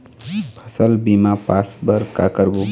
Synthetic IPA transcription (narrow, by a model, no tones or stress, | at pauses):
pʰʌsəlbimapasbəɾkakəɾbu